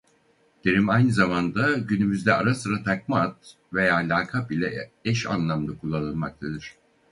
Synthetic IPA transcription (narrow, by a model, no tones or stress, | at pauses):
d̪̥eɾimajnɯzamand̪aɟynymyzd̪ɛaɾasɯɾat̪ʰakmaat̪̚ | ve̞jaːlʲaːkʰabilʲɛɛʃa̰nlˠamd̪akʰulˠːanɯnmak̚t̪ʰad̪ɯɾ̝̥